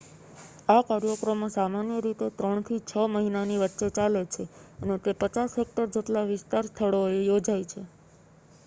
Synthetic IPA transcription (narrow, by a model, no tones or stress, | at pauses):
akaɾjokɾomãsamanjəɾit̪ot̪ɾəɳ̃t̪ʰit͡ʃʰəməɦinaniʋətːʃet͡ʃalet͡ʃʰeənet̪epət͡ʃasɦek̚ʈəɾd͡ʒeʈlaʋɪst̪aɾst̪ʰəɭoejod͡ʒajt͡ʃʰe